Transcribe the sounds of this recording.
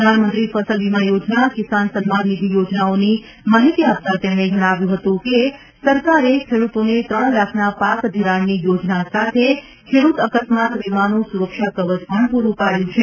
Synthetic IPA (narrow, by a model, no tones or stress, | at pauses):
pɾəd̪ʱanmənt̪ɾifəsəlʋimãjod͡ʒnakisansəmːannid̪ʱijod͡ʒnaoni | maɦit̪iap̚t̪at̪emɽ̃ed͡ʒəɽ̃aʋjũɦət̪ũke | səɾkaɾekʰeɽut̪onet̪ɾəɳ̃lakʰnapakd̪ʱiɾaɳːijod͡ʒnasat̪ʰe | kʰeɽut̪əkəsmat̪ʋimanũsuɾəkʃakəʋəd͡ʒpəɳpuɾũpaɽjũt͡ʃʰe